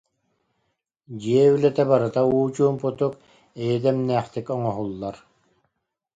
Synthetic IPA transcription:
d͡ʑiɛylɛt̪ɛbaɾɯt̪auːt͡ɕuːmput̪uk | ɛjid̪ɛmnæːχt̪ikɔŋɔɦulˠːaɾ

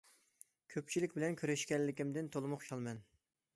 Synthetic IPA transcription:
kʲʰøp̚t͡ʃʰilɪkʲbɪlɛnkʲʰøɾɛʃkʲɛnlɪkʲimd̪ɪnt̪ʰolˠmʊχʃʰɑlˠmɛn

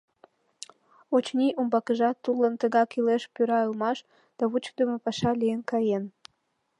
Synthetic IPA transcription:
ot͡ɕnʲiʔumbɑkəʒɑt̪ːulənt̪əɣɑkileʃpyɾɑəlmɑʃ | d̪̥ɑβut͡ɕ̚d̪əmopɑʃɑliənkɑjen

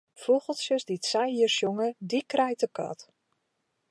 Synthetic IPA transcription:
foɣəlˠsjəsditsɛjhiərsjoŋədikrɛjtəkɔ̰t

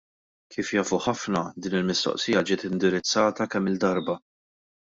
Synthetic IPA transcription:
kʰiːfjɐːfuħɐfnɐd̪iːnɪlmɪst̪ɔ̰ʔsɪːjɐd͡ʒɪːt̪ɪnd̪ɪɾɪt͡sːɐːt̪ɐkɛmːɪld̪ɐɾbɐ

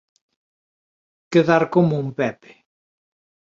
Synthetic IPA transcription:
ɡ̥əðarɡɔmumbɛb

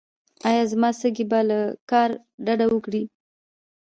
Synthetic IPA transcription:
ɑjɑzmɑsəɡibalakɑɾ | ɖaɖawəkɽi

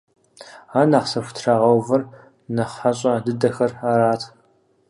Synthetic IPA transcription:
aːnaːqsɐfʷʊ̥tʰraʁɐwvɐr | nɐχħaɕʼɐdɨdɐxɐraːɾaːtʰ

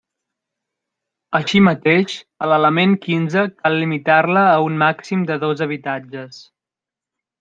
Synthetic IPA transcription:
əʃimət̪eʃələləmeŋkinzəkalˠːimit̪arləːunmaksimd̪əðozəβ̞it̪ad͡ʒəs

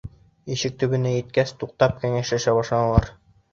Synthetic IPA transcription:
iʃɘk̚t̪ɵ̆βɘ̆næjɘ̆t̪̚kæst̪uq̚t̪ɑp̚kæŋæʃæʃæbɑʃlˠɑnɤ̆lˠɑɾ

